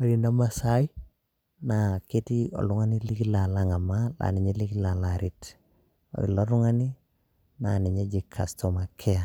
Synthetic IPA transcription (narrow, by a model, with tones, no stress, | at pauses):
a˨ɾi˨nda˦ma˦sa˦i˦ | na˨ke˦ti˦ɔ̰˨lu˦ŋa˦ni˦li˦ki˦la˨la˦ŋa˨mala̰˨ni˨ɲe˦li˦ki˦la˨laɾi˦t | o̰˨ḭ˨lo˦ɾu˦ŋa˦ni˦ | na˨ni˨ɲe˦d͡ʒi˨kʰːa˨sto˨ma˨kʰe˦a˨